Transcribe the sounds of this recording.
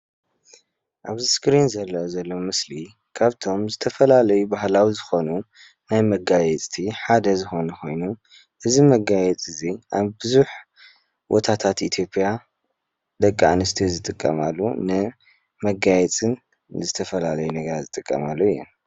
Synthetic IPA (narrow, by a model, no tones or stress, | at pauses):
ʔaβziskɾinzɐlːɐzɐlːomɨsli | kʰaβt̪ʰo̞mzɨt̪ʰɐfɐlalɐjubahlawizɨxo̞nu | najmɐɡajɛt͡sʼt̪ʰiħad̪ɐzɨxo̞nɐxo̞jnu | ʔɨzimɐɡajɛt͡sʼɨziʔaβbɨzuħ | wo̰t̪ʰat̪ʰat̪it̪ʰjo̞pʼja | d̪ɐkʼːa̰nɨst̪ʰizɨt̪ʼɨkʼːɐ̰malːunɨ | mɐɡajɛt͡sʼɨn | zɨt̪ʰɐfɐlalɐjunɐɡɐɾazɨt̪ʼɨkʼːɐ̰malːojɛ̰n